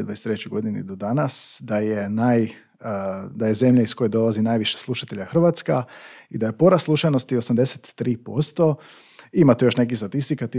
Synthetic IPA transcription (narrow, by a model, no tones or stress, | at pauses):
ed̪ʋaeset̪ɾet͡ɕuɡo̞d̪inḭd̪od̪anasd̪ajenaj | d̪aje̞ze̞mʎaisko̞jed̪o̞lˠazinaːjʋiʃeslˠuʃat̪e̞ʎaxr̩ʋat̪skaid̪ajepo̞ɾaslˠuʃajno̞st̪io̞samd̪e̞set̪ːɾiːpo̞st̪o̞ | imat̪ujo̞ʃne̞k̬ist̪at̪ist̪ikat̪i